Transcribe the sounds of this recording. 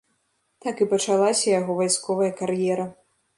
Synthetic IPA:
t̪akipɐt͡ʂalˠasʲɐjaɣɔvajskɔvɐjɐkaɾjɛɾɐ

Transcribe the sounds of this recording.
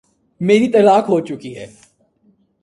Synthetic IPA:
meːɾit̪ɐlaːkɦoːt͡ʃʊkiɦɛː

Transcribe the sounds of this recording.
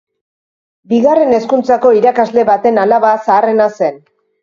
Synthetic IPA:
biɣare̞ne̞skunt͡sako̞iɾakazle̞βat̪e̞nalaβasaːre̞nase̞n

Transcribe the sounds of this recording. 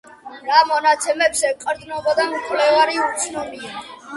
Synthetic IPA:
ɾamɔnat̪sʰɛmɛbsɛqʼɾd̪nɔbɔd̪ankʰlɛvaɾiut̪sʰnɔmia

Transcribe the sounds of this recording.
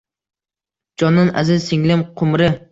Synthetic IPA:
d͡ʒɒnːɪna̰zɪzsɪŋlɪmqʰʊmɾɪ

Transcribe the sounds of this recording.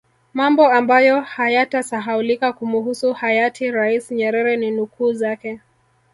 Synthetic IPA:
mambɔambajɔhajatasaɦaulikakumuɦusuhajatʰiɾaisɲɛɾɛɾɛninukuːzakɛ

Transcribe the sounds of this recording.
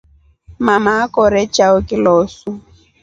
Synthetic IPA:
mamaːkɔɾɛt͡ʃʼaʊkʼɪlɔːsʊ

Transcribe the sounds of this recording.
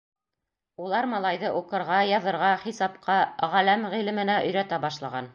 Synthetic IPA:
ulˠɑɾmɑlˠɑjðɤʔuqɤ̆ɾʁɑjɑðɤ̆ɾʁɑχisɑpqɑʁælæmʁilɘ̆mɘ̆næʔɵ̆jɾæt̪æbɑʃlˠɑʁɑn

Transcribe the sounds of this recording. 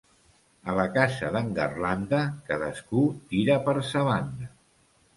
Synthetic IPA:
ələkazəðəŋɡə̰rland̪əkaðəskut̪iɾəpəɾsəβand̪ə

